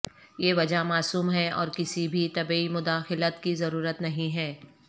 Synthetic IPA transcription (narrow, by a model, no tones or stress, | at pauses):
jeːʋɐd͡ʒamaːsuːmɦɛɔ̰ːɾkɪsibʱit̪ɐbimʊd̪aːxɪlət̪kizɐɾuːɾət̪nɐɦĩɦɛː